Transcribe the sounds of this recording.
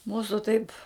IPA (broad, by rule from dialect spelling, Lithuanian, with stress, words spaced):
ˈmuːsʊ tɐɪp